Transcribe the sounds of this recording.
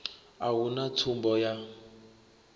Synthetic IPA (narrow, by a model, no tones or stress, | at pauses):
awunatʰumbɔja